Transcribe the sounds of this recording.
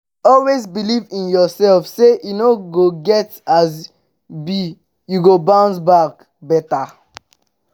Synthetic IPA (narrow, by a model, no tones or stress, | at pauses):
ɔlwezbilivĩnjɔsɛlfsejunoɡoɡɛtaz | bi | juɡobãʊ̃ndbak | bɛta